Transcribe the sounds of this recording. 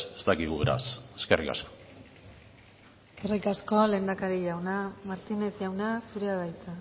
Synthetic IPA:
est̪akiɣuβeɾa̰seskerika̰sko̥ | eskerikasko̞le̞ːnd̪akaɾiʝawnamaɾt̪ine̞sʝawnasuɾeaðajt͡sa

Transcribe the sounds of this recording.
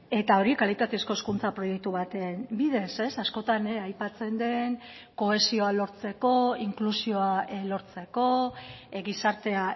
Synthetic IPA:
e̞t̪ao̞ɾikalit̪at̪e̞sko̞eskunt͡sapɾo̞je̞k̚t̪uβat̪e̞mbiðe̞se̞sasko̞t̪aneajpat͡se̞nd̪e̞ŋ | ko̞e̞sio̞alo̞ɾt͡se̞ko̞iŋklusio̞alo̞ɾt͡se̞ko̞ɣisaɾt̪e̞a

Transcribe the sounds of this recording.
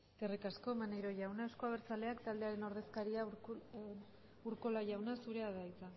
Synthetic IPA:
t̪erikasko̞manejɾo̞ʝawnaewsko̞aβ̞eɾt͡sale̞akt̪ald̪e̞aɾe̞no̞ɾðe̞skaɾia | uɾko̞laʝawnasuɾe̞aðajt͡sa

